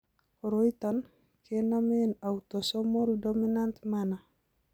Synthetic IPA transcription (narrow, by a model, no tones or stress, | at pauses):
ɾɔjtan | kʰɛnamɛnawtɔsɔmɔldominantmana